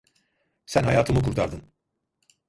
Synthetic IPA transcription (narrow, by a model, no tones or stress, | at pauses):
sænɦajaːt̪ʰɯmɯkʰuɾt̪ʰaɾd̪ɯn